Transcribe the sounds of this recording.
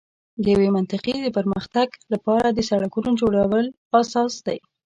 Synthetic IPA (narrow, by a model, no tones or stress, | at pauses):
d̪əjawemant̪ɪqed̪əpəɾməxt̪aɡlapɑɾad̪əsaɽakunod͡ʒoɽawəl | asɑsd̪aj